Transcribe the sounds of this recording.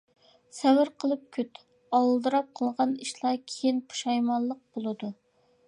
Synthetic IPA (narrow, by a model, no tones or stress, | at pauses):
sæwɪɾqʰəlˠɨp̚kʲʰyt̪ | ɑwlˠd̪ɨɾɑp̚qʰəlˠʁɑniʃlˠɑɾkʲʰejɪnpʰu̥ʃɑjmɑnlˠəq̚bolˠɨd̪u